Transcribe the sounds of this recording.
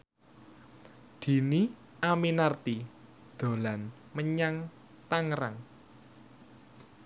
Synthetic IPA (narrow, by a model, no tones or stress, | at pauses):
d̪̥i̤ni | aminart̪i | d̪̥o̤lan | məɲaŋ | t̪aŋɾaŋ